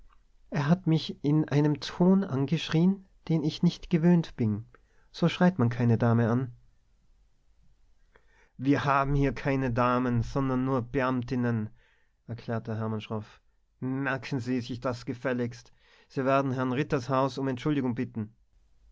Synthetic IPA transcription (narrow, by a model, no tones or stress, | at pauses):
ʔeːɐɦatmɪçɪnʔa̰ɪnəmtʰoːnʔanɡəʃʁ̥iːən | d̥eːnɪçnɪçtɡ̥əvøːntb̥ɪn | z̥oːʃʁ̥aɪtmankʰaɪnədaːməan | viːɐhaːbm̩hiːɐkʰaɪnədaːmənz̥ɔndɐnːuːɐb̥əʔamtɪnən | ʔɛɐkʰl̥ɛːɐtəɦɛɐmanʃʁ̥ɔf | mɛɐkʰn̩ziːzɪçd̥asɡ̥əfɛlɪçst | z̥iːveːɐdn̩ɦɛɐnʁɪtɐshaʊsʊmɛntʃʊldɪɡʊŋbɪtn̩